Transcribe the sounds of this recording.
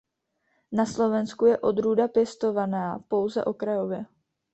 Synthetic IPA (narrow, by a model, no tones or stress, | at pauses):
naslo̞vɛnskujɛʔo̞d̪ɾuːdapjɛst̪o̞vanaːpo̞wzɛ̰ʔo̞kɾajo̞vjɛ